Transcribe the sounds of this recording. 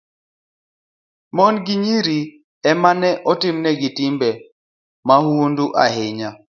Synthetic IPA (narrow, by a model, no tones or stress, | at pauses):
mɔnɡiɲiɾi | ɛmanɛʔɔtɪmnɛɡɪtɪmbɛ | mahunduʔaɦɪɲa